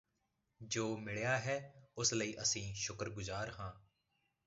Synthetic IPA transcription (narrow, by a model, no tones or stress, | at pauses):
d͡ʒoːmɪɭjaːɦɛːʊsləiːʔəsĩːʃʊkəɾɡʊzaːɾɦãː